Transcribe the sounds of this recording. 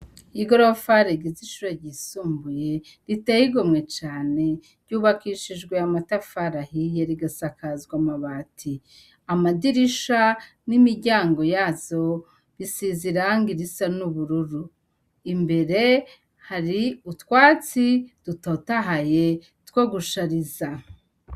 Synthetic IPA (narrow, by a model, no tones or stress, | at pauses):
iɡoɾofaɾeɡiziʃuɾaɟisuːmbuje̞ | ɾitehiɡomŋe̞t͡ʃaːne̞ | ɾɟuːβakiʃid͡ʒɡwe̞amatafaɾahije̞ɾiɡasakazɡwamaβatʰi | amadiɾiʃa | nimiɾɟaːŋɡo̞jaːzo̞ | βisiziɾaŋɡiɾisanuβuɾuɾu | imbe̞ɾe̞ | haɾiutwaːt͡sid̥utotaɦaje̞ | tkoɡuʃaɾiza